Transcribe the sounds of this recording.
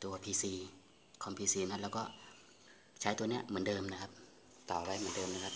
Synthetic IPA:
t̪u˧ɐpʰiː˧siː˧ | kʰɔ˧˦mpʰiː˧siː˧na˧˥plɛ˧˩wkɔː˧˩ | t͡ɕʰaː˧˥jt̪u˧ni˦˧˩əʔmɯ˩˦ndɤː˧mna˧˩kʰa˦˥p̚ | t̪ɔ˨˩wa˧˩˨jm˨˩˦dɤː˧mna˧˩kʰa˧p̚

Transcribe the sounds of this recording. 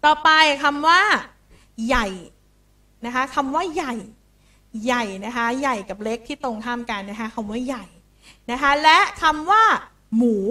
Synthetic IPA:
t̪ɔː˨˩pa˧jkʰa˧mwaː˥˩ | ja˨˩j | na˦˥kʰa˦˥kʰa˧mwaː˥˩ja˨˩j | ja˨˩jna˦˥kʰa˦˥ja˨˩jka˨˩p̚le˦˥k̚t̪ʰiː˥˩t̪o˧ŋkʰaː˥˩mka˧nːa˦˥kʰa˦˥kʰa˧mwaː˥˩ja˨˩j | na˦˥kʰa˦˥lɛ˦˥kʰa˧mwaː˥˩ | muː˩˦

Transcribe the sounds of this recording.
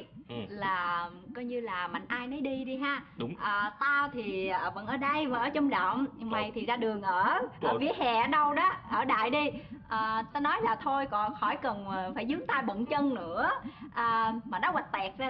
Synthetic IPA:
laː˨˩kɔ˨˦ɲɨ˧laː˨˩ma˨˩ŋ̟ʔaː˧jnɔ˨˦jɗi˧ɗi˧ɦaː˧˩ʔəː˨˩t̪aː˧wt̪ʰi˨˩ə˨˩və̰˧˥nʔəː˧˩ɗə˧jmː˨˩ʔəː˧˩t͡ɕɔ˧wŋ͡mɗə̰˧˨wŋ͡mma˨˩jt̪ʰi˨˩zaː˧ɗɨ˨˩əŋʔəː˧˩ʔəː˧˩vḭ˧˥əɦɛ̰˨˩˨ɗə˧wɗɔ˨˦ʔəː˧˩ɗa̰ː˧˨jɗi˧ʔəː˨˩t̪aː˧nɔ˨˦jlaː˨˩t̪ʰo˧jkɔ˨˩nxɔ˧˩jkə˨˩n˨˩faː˧˩jzɨ˨˦ŋt̪aː˧jɓə̰˧˨nt͡ɕə˧nnɨ̰˧˥əʔəː˨˩maː˨˩nɔ˨˦wa˨˩t̚t̪ɛ˨˩k̚zaː˧

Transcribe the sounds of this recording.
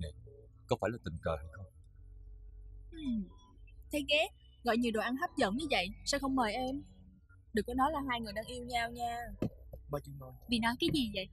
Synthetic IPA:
ne˨˩ | kɔ˨˦faː˧˩jlaː˨˩ï˨˩ŋ̟kəː˨˩ha˧jxə˧wŋ͡m | ʔɨ˨˩m | t̪ʰe˨˦ɣɛ˨˦ | ɣɔ̰˧˨jɲi˨˩əwɗo˨˩ʔa˧nɦa˦˥p̚zə̰˧˥nɲɨ˧və̰˧˨jsɛ̰˧wxə˧wŋ͡mməː˨˩jʔɛ˧m | ɗɨ˨˩k̚ːɔ˨˦nɔ˨˦jlaː˨˩ɦaː˧jŋɨ˨˩əjɗaː˧ŋʔi˧əwɲaː˧wɲaː˧ɓaː˧t͡ɕɨ˨˧no˧˩jvi˨˩nɔ˨˦jkaː˨˦jzi˨˩və̰˧˨j

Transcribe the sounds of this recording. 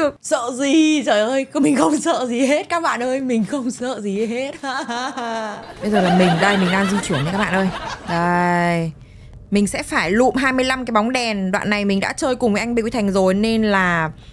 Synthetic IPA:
ɨ˨˩əsə̰ː˧˨zi˨˩zəː˧˨˩jʔəː˧jmï˨˩ŋ̟xə˧wŋ͡msə̰ː˧˨zi˨˩ɦe˦˥t̚kaː˦˥k̚ɓa̰ː˧˨nʔəː˧jmï˨˩ŋ̟xə˧wŋ͡msə̰ː˧˨zi˨˩ɦe˦˥t̚haː˧ɓə˧jzəː˨˩laː˨˩mï˨˩ŋ̟ɗə˧jmï̟˨˩ɗaː˧ŋzi˧t͡ɕwi˧˩ənː˨˧kaː˦˥k̚ɓ̰ːʔəː˧jzə˨˩j | mï˨˩ŋ̟sɛ̰˧˥faː˧˩jlṵ˧˨mɦaː˧jmɨ˧əjla˧mkaː˨˦jɓa˨˦wŋ͡mɗɛ˨˩nɗwa̰ː˧˨nːa˨˩jmï˨˩ŋ̟ɗa̰ː˧˥t͡ɕəː˧jkʊ˨˩ŋŋ͡mvə˨˦ʔa˧ŋ̟ɓḭ˧˥˧jt̪ʰa˨˩jŋ̟zo˨˩jne˧nlaː˨˩

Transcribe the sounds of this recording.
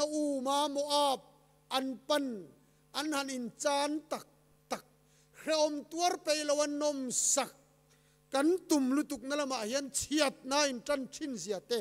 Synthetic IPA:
nɐʔuː˨maː˦mɔʔaː˧p̚ | ʔɐ˨npɐn | ʔɐ˨nhɐ˨ni˨nt͡saː˦nt̪a˨k̚ | t̪ɐ˨k̚ | kʰɾɛʔɔ˨mt̪u˦ɐ˦rpe˨jlo˧wɐ˦nɔ˨msa˨kː | ɐ˦nt̪u˨mlu˦t̪u˨k̚nɐ˦lɐma˨ʔhi˦ɐ˦nt͡sʰiɐ˩t̪̚naː˦i˨nʈ͡ʂɐ˦ntʰi˦nziɐ˨t̪eː

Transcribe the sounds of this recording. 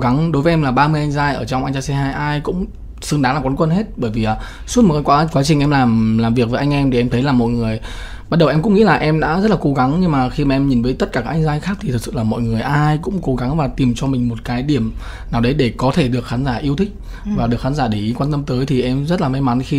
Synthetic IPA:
ɣa˨˦ŋɗo˨˦jvəː˨˦ʔɛ˧laː˨˩ɓaː˧mɨ˧əjʔa˧jŋ̟zaː˧jʔəː˧˩t͡ɕɔ˧ŋ͡mʔa˧jŋ̟t͡ɕaː˧sɛ˧ɦaː˧jʔaː˧jkʊ̰˧˥ŋ͡m | sɨ˨˧ŋɗaː˨˦ŋaː˨˩kwa˨˦nkwə˧nhɦe˦˥t̚ɓəː˧˩jvi˨˩ʔaː˨˩ | su˦˥t̚m˨˩tkaː˨˦kwa˨˦kwaː˨˦t͡ɕï˨˩ŋ̟ʔɛ˧mlaː˨˩mlaː˨˩mvi˨˩ək̚vəː˨˦ʔa˧jŋ̟ʔɛ˧mt̪ʰi˨˩ʔɛ˧mt̪ʰə˨˦jlaː˨˩mɔ̰˧˨jŋɨ˨˩əj | ɓa˦˥t̚ɗə˨˩ʔɛ˧mkʊ̰˧˥ŋḭ˧˥laː˨˩ʔɛ˧mɗa̰ː˧˥zə˦˥t̚laː˨˩ko˨˦ɣa˨˦ŋɲɨ˧ŋmaː˨˩xi˧maː˨˩ʔɛ˧mɲi˨˩nvəː˨˦jt̪ə˦˥t̚kaː˧˩kaː˦ʔa˧ŋzaː˧jxaː˦˥k̪̚ʰi˨˩t̪ʰksɨ̰˧˨laː˨˩mɔ̰˧˨jŋɨ˨˩əjʔaː˧jkʊ̰˧˥ŋ͡mko˨˦ɣa˨˦ŋvaː˨˩t̪i˨˩mt͡ɕɔ˧mï˨˩ŋ̟mo˨˩t̚kaː˨˦jɗi˧˩əm | naː˨˩wɗə˨˦jɗe˧˩kɔ˨˦t̪ʰe˧˩ɗɨ˨˩ək̚xaː˨˦nzaː˧˩ʔi˧əwt̪ʰï˦˥k̚ | vaː˨˩ɗɨ˨˩ək̚xaː˨˦zaː˧˩ɗi˧˩˨kwaː˧nt̪ə˧mt̪əː˨˦jt̪ʰi˨˩ʔɛ˧mzə˦˥t̚laː˨˩ma˧˦jma˨˦nxi˧

